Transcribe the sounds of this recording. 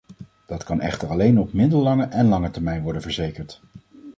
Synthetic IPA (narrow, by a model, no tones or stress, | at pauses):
d̥ɑtkɑnʔɛ̰χtəɹɑlejnɔpmɪdəlːɑŋəʔɛnlɑŋətɛɹmɛjnʋɔɹdənvəɹzejkəɹt